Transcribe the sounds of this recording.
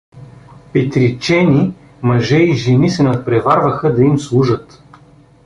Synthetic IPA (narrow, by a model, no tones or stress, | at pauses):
pɛt̪ɾit͡ʃɛnʲi | mɐʒɛiʒɛnisɛnɐt̪̚pɾɛvaɾvəxəd̪ɐimslˠuʒət̪